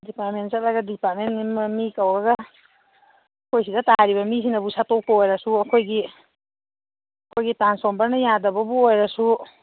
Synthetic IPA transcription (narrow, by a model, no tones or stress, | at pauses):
dipaɾmentsat̚laɡɐdipat̚menimmikawɾɐɡɐ | kʰojs̬idɐtaaɾiβɐmis̬inɐbusatɔk̚pɐojɾɐsuɐkʰojɡi | ɐkʰojɡitansɔmbɐɾnɐjadɐbɐbuojɾɐsu